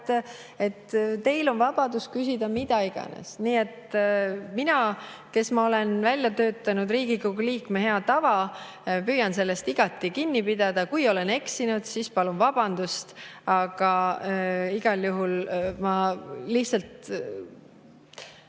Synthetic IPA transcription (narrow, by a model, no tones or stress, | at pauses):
e̞t̪ːt̪e̞jlo̞nvɑb̥ɑd̪̥uskysʲid̪ɑmid̪ɑiɡ̥ɑ̰nḛsniːe̞t̪ | minɑ | ke̞smɑole̞nvælʲjɑt̪ø̞ːt̪ːˑɑnud̪riːɡ̥ikuɡuliːkmeɦe̞ɑt̪ɑvɑ | pyːjɑnse̞lːe̞st̪iɡ̥ɑt̪ːˑikinːipid̪̥ɑd̪̥ɑkujo̞le̞ne̞ksinud̪̥sispɑlunvɑb̥ɑnd̪̥ust̪ɑɡ̥ɑ | iɡ̥ɑljuɦulmɑlihsɑlt̪